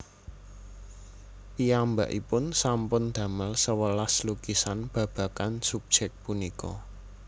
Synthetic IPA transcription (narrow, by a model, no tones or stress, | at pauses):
piamba̰ʔipʊnsampʊnd̪̥ä̤məlsəwəlaslukisanb̥ä̤b̥ä̤kansub̥̚ʒ̥ɛk̚t̚punikɔ